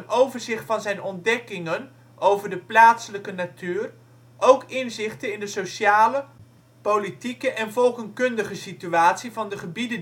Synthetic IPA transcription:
ənʔowvəɹzɪχtfɑnzɛjnɔndɛkɪŋən | ʔowvəɹdəplaːtsələkənatyːr | ʔowkɪnzɪχtənɪndəsoʃaːlə | powlitikəʔɛnvɔlˠkəŋkɵndəχəsityaːtsivɑndəχəbidə

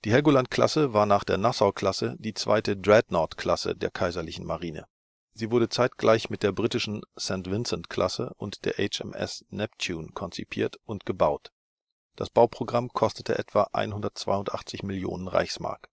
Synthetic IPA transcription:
d̥iːhɛɡolantkl̥a̰səvaːɐnaːχd̥eːɐnasaʊkl̥asədiːt͡sv̥a̰ɪtədʁɛtnɔɐtkl̥asə̰deːɐkʰaɪzɐlɪçn̩maʁiːnə̰ | ziːvʊɐdət͡saɪtɡ̥laɪçmɪt̚d̥eːɐbʁiːtɪʃn̩sɛntv̥ɪnsɛntkʰl̥asəʔʊntd̥eːɐʔɛɪt͡ʃɛ̰mʔɛ̰snɛptʰuːnkʰɔnt͡sipʰḭːɐtʔʊntɡ̥əbaʊt | d̥a̰sb̥aʊpʁ̥oɡʁamkʰɔstətʰə̰ʔɛtv̥aʔa̰ɪnɦʊndɐtt͡sv̥a̰ɪʊntʔa̰χt͡sɪçmɪljo̰ːnənʁa̰ɪçsma̰ɐk

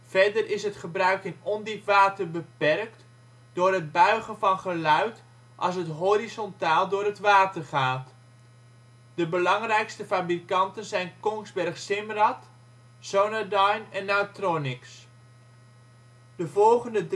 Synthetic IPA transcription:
fɛrdərɪsɦətχəbrœɥkɪnɔndipʋaːtərbəpɛrk̚t | d̥ʊːrɦəd̚bœɥχənvɑnχəlœɥt | ʔɑ̰lˠs̬ətɦorizɔntaːlˠdʊːrətʋaːtərχaːt | dəbəlɑŋrɛjkstəfabrikɑntənzɛjnkɔŋzbɛrχsɪmrɑt | sownadajnɛnːaɥtronɪks | d̥əvɔlˠχəndə

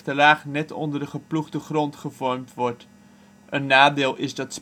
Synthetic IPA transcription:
təlaːχnɛtʰɔ̰ndərdəχəpluχdəχrɔntχəvɔrmtʋɔrt | ənːaːdeːlˠʔɪzdɑts

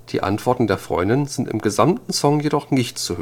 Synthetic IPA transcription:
d̥ḭːʔa̰ntv̥ɔɐtn̩deːɐfʁ̥ɔ̰ʏndɪnzɪntɪ̰mɡəzamtn̩sɔŋjedɔχnɪçtt͡suhø

